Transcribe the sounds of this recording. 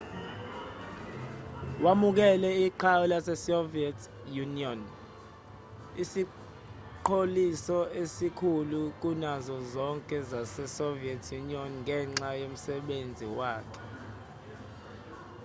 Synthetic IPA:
wamuk̬ɛlɛiǃʰawulasɛsoviɛtʰ | juniɔn | isi | ǃʰolisɔesikʰuluk̬unazɔzɔŋkʼɛzasɛsoviɛtʰjuniɔnŋɛːŋ͡ǁajom̩sɛɓend͡zʱiwaːkʰɛ̥

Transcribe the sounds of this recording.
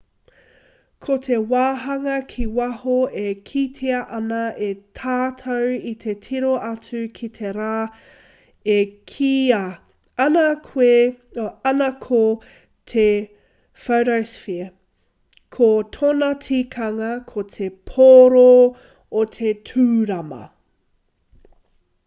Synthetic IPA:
kʰotʰewaːɦɐŋɐkʰiwɐhoekʰitʰeɐʔɐnɐʔetʰaːtʰɐwit̪ʰetʰiɾoʔɐt͡sʉkʰit̪ʰeɾaː | ekʰiɐ | ɐnɐkʰwe | ɐnɐkʰo | tʰe | fɐwɾɐwsfiɐ | kʰot̪ʰonɐtʰikʰɐŋɐkʰotʰepʰoɾo | otʰetʰʉːɾɐmɐ̰

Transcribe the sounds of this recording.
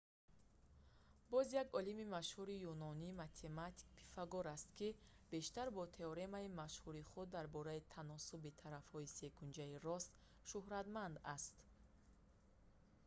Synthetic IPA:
bɔzjaɡɔlimimaʃhuɾijunɔniːmat̪ʰe̞mat̪ʰi̥kpʰi̥faɡɔɾast̪ki | b̥e̞ʃt̪aɾbɔt̪ʰe̞ɔɾe̞maimaʃhuɾiχud̪ːaɾbɔɾait̪ʰanɔsubit̪ʰaɾafhɔise̞ɡund͡ʒaiɾɔst̪ | ʃuhɾat̪mand̪ast̪

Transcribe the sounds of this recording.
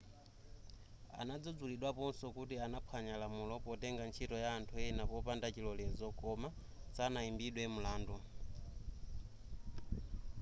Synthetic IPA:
a̰nad͡zɔd͡zuliɗwapɔnsɔkutianapʰaɲalamulɔpɔtɛŋɡant͡ʃʰitɔjaːntʰuɛnapɔpandat͡ʃilɔlɛzɔkɔma | sanaimbiɗwɛmulaːndu

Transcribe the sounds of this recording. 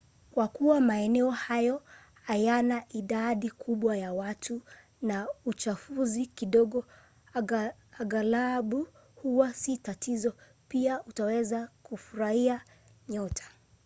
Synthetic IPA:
kwakuwamaɛnɛɔhajɔ | hajanaʔiɗaɗikʰuɓwajawatʰu | naut͡ʃafuzikiɗɔɠɔ | aɡalaɓu | huwasitatizɔ | piaʔutawɛzakufuɾaia | ɲɔtʰḁ

